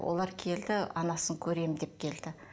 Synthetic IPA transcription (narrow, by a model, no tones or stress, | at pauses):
wʔo̰lˠɑɾkʲʰe̞ld̪ɪɑnɑsəŋkʲʰɵɾe̞md̪e̞p̚kʲʰe̞ld̪̥ɪ